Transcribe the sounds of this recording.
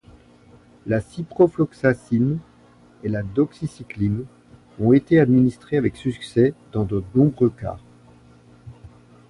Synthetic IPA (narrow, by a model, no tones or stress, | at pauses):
lasipχɔflɔksasin | elad̪ɔksisiklin | ɔ̃et̪ead̪minist̪χeavɛksyksɛd̪̥ɑ̃d̪ənɔ̃bʁøka̰